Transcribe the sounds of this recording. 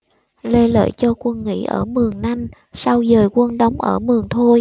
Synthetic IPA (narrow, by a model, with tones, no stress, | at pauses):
le˧lə̰ː˧˨jt͡ɕɔ˧kwə˧nŋḭ˧˥ʔə̰ː˧˩mɨ˨˩əŋna˧ŋ | sa˧wzəː˨˩jkwə˧nɗə˧wŋ͡mʔəː˧˩mɨ˨˩əŋt̪ʰo˧j